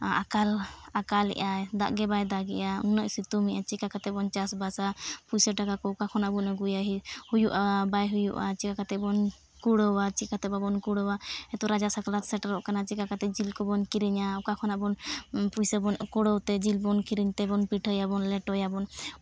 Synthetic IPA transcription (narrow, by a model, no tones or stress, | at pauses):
akalakalɛ̰ʔad̪a̰ʔɡɛbajd̪aɡɛ̰ʔa̰nəʔsit̪umiʔat͡ʃikakat̪ɛbɔnt͡ʃasbasapujsəʈakakɔukakʰɔnabunəɡujaɦihujuʔabajɦujṵʔat͡ʃikakat̪ɛbɔn | kuɽəwat͡ʃikat̪ɛbabɔnkuɽɔwaɛt̪ɔɾad͡ʒasaklat̪sɛʈaɾɔʔkanat͡ʃikakat̪ɛd͡ʒilkɔbɔnkiɾiɲaɔkakʰɔnabɔnpujsəbɔnkɔɽɔwt̪ɛd͡ʒilbɔnkiɾiɲt̪ɛbɔnpiʈʰəjabɔnlɛʈɔjabɔn